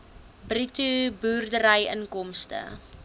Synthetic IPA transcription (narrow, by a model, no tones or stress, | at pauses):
britubuːrdəɾɐjə̰nkɔmstə̰